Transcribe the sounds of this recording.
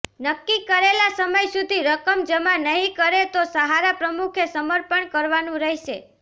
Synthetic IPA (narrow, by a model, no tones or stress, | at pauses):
nəkːikəɾelasəməjsud̪ʱiɾəkəmd͡ʒəmanəɦĩkəɾet̪osəɦaɾapɾəmukʰesəməɾpəɳkəɾʋanũɾəɦʃe